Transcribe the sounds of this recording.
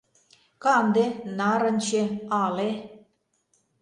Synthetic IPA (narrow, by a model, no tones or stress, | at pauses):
kɑnd̪enɑɾə̆nʲt͡ɕeɑle